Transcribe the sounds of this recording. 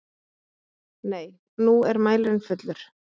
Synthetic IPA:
neːj | nuɛɾmaːjlɪnfʏt̪lʏɾ̥

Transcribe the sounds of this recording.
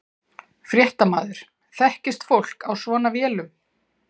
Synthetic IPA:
fɾjɛht̪ama̰ːðɪɾ̥ | θɛhcɪst̪fowl̥kawsvɔːnavjɛːlʏm

